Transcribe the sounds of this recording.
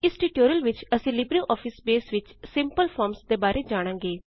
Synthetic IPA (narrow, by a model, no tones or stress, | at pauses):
ɪsʈiːʈoːɾiəlʋɪt͡ʃəsĩːlɪbɾiːʔɔːpʰɪsbeːsʋɪt͡ʃsɪmpəlpʰɔːɾmsd̪eːbaːɾʔeːd͡ʒaːɽ̃ãːŋɡeː